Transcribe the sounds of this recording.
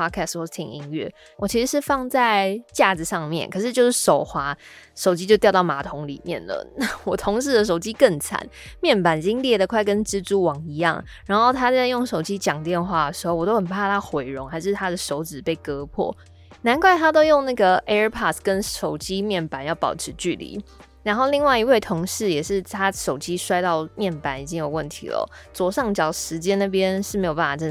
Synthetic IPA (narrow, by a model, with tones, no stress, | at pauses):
ɑ˥kʰɛ˥˩stwo˧˩˥t̪ʰḭ˨˩ŋḭ˧˥ŋɥɛ̰˥˩ | wʔɔ˨˩t͡ɕʰi˧˥ʂɻ̩˧˥ʂ̬ɻ̩˥˧fɑ˥˧ŋt͡sa˥˧ɪt͡ɕja˥˩ʈ͡ʂɻ̩˨˩ʂɑ˥˧ŋmjɛ̰˨nkʰɤ˨˩ʂ̬ɻ̩˥˧t͡ɕjo˥˧ʊʂɻ̩˥˩ʂo˨˩ʊxwa˧˥ʂo˨˩ʊt͡ɕi˥t͡ɕjo˥˧ʊt̪jʊt̪ɑ˥˩ʊma˧˥t̪ʰʊ˧˥ŋlḭ˨˩mjɛ̰˥˩nlə̰˩na˥˩wɔ˨˩t̪ʰʊ˧˥ŋʂ̬ɻ̩˥˩d̪ə˩ʂ̬o˨˩ʊt͡ɕi˦˥kə˥˩ŋt͡sʰa̰˨˦nmjɛ˥˩npa˨˦n˨˩t͡ɕi˥ŋljɛ˥˩d̪ə˩kʰwa˥˩ɪkə˦nʈ͡ʂɻ̩˥t͡su˥wɑ˨˩ŋi˧˥jɑ̰˥˩ŋ | ɻa˧˥nxo˥˩ʊt̪ʰa˥a˥˧jo˥˩ŋʂo˨˩ʊt͡ɕi˦˥t͡ɕjɑ˨˩ŋt̪jɛ˥˧nxwa˥˩d̪ə˩ʂɻ̩˧˥xo˥˩ʊwɔ˨˩t̪o˥ʊxə˨˩pʰa˥˩t̪ʰa˥xwe˨˩ɪɻʊ˧˥ŋxa˧ɪʂ̬ɻ̩˥˩t̪ʰa˥d̪ə˨ʂo˧˥ʊt͡sɹ̩˨˩pe˥˩ɪkɤ˥pʰwɔ̰˥˩ | na˧˥nkʰwa˥˩ɪt̪ʰa˥t̪o˥ʊjo˥˧ŋna˥˩ɡə˩ɛ˥˧pʰɑ˥˩t̪kə˦nʂo˨˩ʊt͡ɕi˥mjɛ˥˩npa˨˦njɑ˥˩ʊpɑ˨˩ʊʈ͡ʂʰɻ̩˧˥t͡ɕy˥˩lḭ˧˥˦ | ɻa˧˥nxo˥˧ʊli˥˧ŋwa˥˩i˧˥we˥˩ɪt̪ʰo˧˥ŋʂɻ̩˥˩jɛ˨˩ʂɻ̩˥˩t̪ʰa˥ʂo˨˩ʊt͡ɕi˦˥ʂwa˥ɪt̪ɑ˥˧ʊmjɛ˥˩npa˨˧˥ni˨˩t͡ɕi˦˥ŋjo˨˩ʊwə˥˩nt̪ʰḭ˧˥lə̰˧˦t͡swɔ˧˥ʂɑ˥˩ŋt͡ɕjɑ˨˩ʊʂɻ̩˧˥t͡ɕjɛ˥na˥˩p̬jɛ˥˦nʂɻ̩˥˩m˧˥jo˨˩pa˥˩fa˨˩ʈ͡ʂə˥˧˩